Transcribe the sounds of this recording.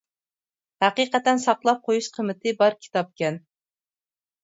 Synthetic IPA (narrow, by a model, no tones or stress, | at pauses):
hæqiqɛt̪ɛnsɑqlˠɑp̚qʰojuʃqʰəmɪt̪ʰɨbɑɾkʲʰi̥t̪ɑp̚kʲɛn